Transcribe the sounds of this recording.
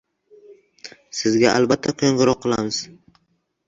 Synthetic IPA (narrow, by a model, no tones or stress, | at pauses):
sɪzɡʲaʔa̰lˠbat̪ʰːakʲʰjoŋɡɨɾɒqːɨlˠamɪz̥